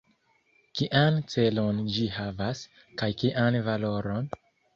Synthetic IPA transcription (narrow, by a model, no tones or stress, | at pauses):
kiʔant͡se̞lond͡ʒihavas | kajkiʔanvalo̞ɾo̞n